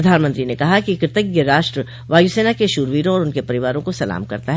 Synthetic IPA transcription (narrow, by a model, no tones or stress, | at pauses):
d̪ʱaːnmə̃nt̪ɾinekɐɦakikɾt̪əɡjeɾaːʃʈɾə | ʋaːjuseːnakeʃuːɾʋiːɾõɔːɾʊnkepɐɾɪʋaːɾõkosɐla̰ːmkɐ̰ɾt̪aɦɛː